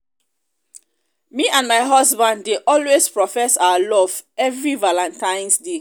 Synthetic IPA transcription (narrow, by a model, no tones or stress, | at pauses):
miʔãnmaɪɦɔsbãndːeʔɔlwespɹɔfɛsawalɔv̥ɛvɹivalãntãɪ̃nsde